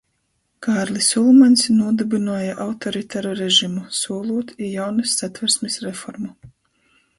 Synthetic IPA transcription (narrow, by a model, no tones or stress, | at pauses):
kaːɾlʲˠisʲulˠmanʲsnuɔd̪ɨbinuːjaʔawt̪ɔɾit̪aɾɔɾeʒimusuɔlˠuɔt̪ijawnɨsːat̪vɛɾsmisɾefɔɾmu